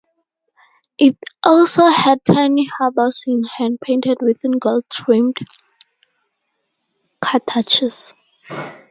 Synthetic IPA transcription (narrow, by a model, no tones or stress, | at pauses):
ʔitʔɔlsohɛd̚tʰajnihabasĩnɛ̃nd̚pʰẽntʰɛdwiθĩnɡoltʰɹĩmd | kʰatʰat͡ʃɛs